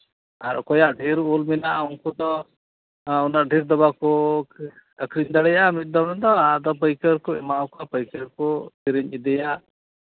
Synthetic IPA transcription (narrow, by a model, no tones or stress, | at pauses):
aɾɔ̰kɔjaʔɖʱiɾulminaʔunkud̪ɔ | unaɖʱiɾd̪ɔbakɔ | əkɾiɲd̪aɽɛjamit̪̚d̪ɔnɛnd̪ɔad̪ɔp̬əjkəɾkɔɛ̰maɔkapəjkəɾkɔt̪iɾiɲid̪ɛjaʔ